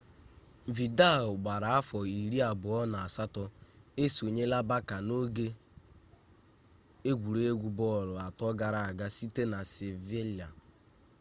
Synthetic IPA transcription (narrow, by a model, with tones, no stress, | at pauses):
vi˨da˦˨ʊ˨ɡ͡ba˨ɾa˨a˦fɔ˨i˨ɾi˦a˨bʊ˨ɔ˦na˨a˨sa˦tɔ˦e˦so˨ɲe˦la˦ba˦ka˨no˦ɡe˦ | e˦ɡʷu˨ɾe˦e˦ɡʷu˦bɔ˦˨ɾʊ˨a˨tɔ˦ɡa˨ɾa˨a˨ɡa˦si˦te˦na˨se˨ve˦li˨a˨